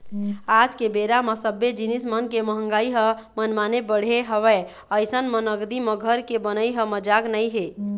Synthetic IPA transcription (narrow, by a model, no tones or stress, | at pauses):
ad͡ʒkebeɾaməsəbːed͡ʒinismənkeməɦəŋɡaiɦə̃mənmanebəɽ̤eɦəʋɛ | əjsənmənəɡd̪iməɡʱəɾkebənəjɦə̃məd͡ʒaɡnəjɦe